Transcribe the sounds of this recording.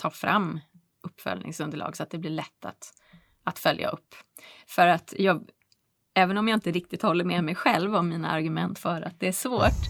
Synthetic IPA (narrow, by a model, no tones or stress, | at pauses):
t̪ʰɑːfɾamː | ʔɵpːfœ̰lnʔɪ̰ŋsɵnd̪əɭʔɑ̰ːɡsɔat̪̚d̪ɛblɪɭɛt̪ʰːa̰t̪ | at̪fœlja̰ʔɵpːfœɾat̪jɑːɡ | ɛːvənɔmjaːɪnt̪əɾɪk̚t̪ɪt̪hɔlːəɾmɛmɛjɧɛlvɔmːiːna̰aɾɡɵmɛnt̪fœːɾat̪̚d̪ɛæʂvoːʈ